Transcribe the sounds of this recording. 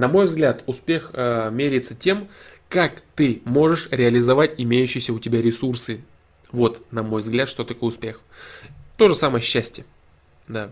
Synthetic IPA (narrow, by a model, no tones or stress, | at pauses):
nɐmo̞jvzɡlʲat̪ʊspʲe̞xmʲeɾʲɪɪt̪sətʲe̞m | kakt̪ɨmo̞ʐɨʂɾʲɪəlʲɪzɐvatʲɪmʲejʉɕːɪjɪsʲəʊtʲɪbʲaɾʲɪsursɨ | vo̞t̪nɐmo̞jvzɡlʲat̪ʂt̪o̞t̪ɐko̞jʊspʲe̞x | t̪o̞ʐɨsaməjəɕːæsʲtʲjə | d̪a